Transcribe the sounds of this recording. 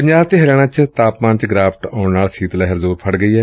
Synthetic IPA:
pəɲd͡ʒaːbt̪eːɦəɾjaːɽ̃aːt͡ʃt̪aːpmãːnt͡ʃɡɾaːpʰʈãːʊɳnaːlsiːt̪lɛɦəɾzuːɾpʰəɽɡəiːɦɛː

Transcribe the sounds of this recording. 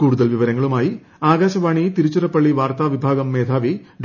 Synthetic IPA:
kuːɽuðɐlʋiʋɐɾɐŋɡɐɭumaːji | aːɡaːɕɐʋaːɳit̪iɾut͡ɕːuɾɐpːɐɭːiʋaːɾt̪aːʋibʱaːɡɐmːeːd̪ʰʱaːʋiɖ

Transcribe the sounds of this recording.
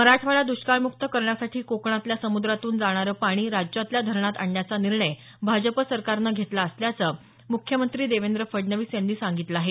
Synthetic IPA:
məɾaʈʰʋaɭad̪uɕkaɭmukt̪əkəɾɳjasaʈʰiːkokɳ̃at̪ljasəmud̪ɾat̪uːnd͡zaɽ̃aɾəːpaɽ̃iːɾad͡ʑjat̪ljad̪ʱəɾɳat̪aɳjat͡saniɾɳəj | bʱad͡ʑəpəsəɾkaɾnəɡʱet̪laəsljat͡səː | mukʰjəmənt̪ɾiːd̪eʋend̪ɾəfəɖnəʋiːsend̪iːsaŋɡit̪ləaːɦe

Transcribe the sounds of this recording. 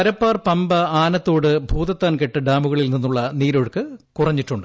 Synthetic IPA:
ɐɾɐpːaːrpɐmbɐaːnɐt̪ːoːɽɨbʱuːðɐt̪ːaːnke̞ʈːɨɖaːmuɣɐɭilninːuɭːɐniːɾo̞ːɻɨkːɨkurɐɲːiʈːuɳɖɨ

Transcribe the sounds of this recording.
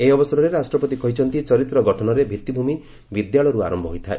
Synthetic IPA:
eɔbɔsɔɾɔɾeɾasʈɾɔpɔt̪ikɔɦit͡ʃʰɔnt̪it͡ʃɔɾit̪ɾɔɡɔʈʰɔnɔɾebʱit̪ibʱumi | bid̪jaɭɔɾua̰ɾɔmbʱɔɦojt̪ʰae

